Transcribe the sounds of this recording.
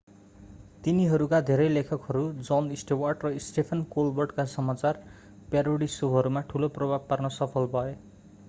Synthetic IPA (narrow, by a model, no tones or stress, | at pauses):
t̪iniɦʌɾukad̪ʱeɾʌjlekʰʌkɦʌɾud͡zʌnisʈewarʈrʌisʈepʰʌnkolbʌrɖkasʌmat͡sar | pjaɾoɽisubɦʌɾumaʈʰuloprʌbʱab̚parnʌsʌpʰʌlbʱʌe